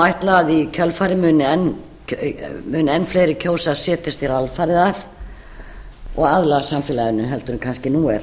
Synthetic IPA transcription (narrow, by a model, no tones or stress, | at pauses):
ajht̪laaðicʰœlfaːɾɪmʏːnɪɛnː | mʏːnɪɛnfleːjɾɪcʰoːwsaðsɛːt̪ɪst̪iɾalfaːɾɪðað | ɔɣaðlaɣasamfɪːlaɪnːʏɦɛlt̪ʏɾʏmkʰanscɪnuːɛɾ